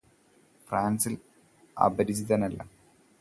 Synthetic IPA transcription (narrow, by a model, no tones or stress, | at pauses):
fraːnsil | ɐ̰bɐɾit͡ɕit̪aːnɐlːɐ̰